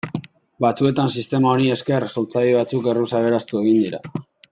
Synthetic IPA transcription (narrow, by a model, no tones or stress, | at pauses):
bat͡sue̞t̪ansist̪e̞mao̞ɾie̞ske̞rso̞lt͡sajeβat͡suke̞rusaβe̞ɾast̪ue̞ɣind̪iɾa̰